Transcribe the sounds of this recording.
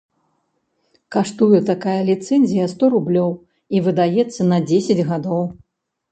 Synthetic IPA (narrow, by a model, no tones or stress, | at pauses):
kaʂt̪ujɛt̪akajɐlʲit̪sɛnʲzʲijɐst̪ɔɾublʲɔw | ivɨd̪ajɛt̪sːɐnɐd͡zʲesʲɐd͡zʲɣad̪ɔw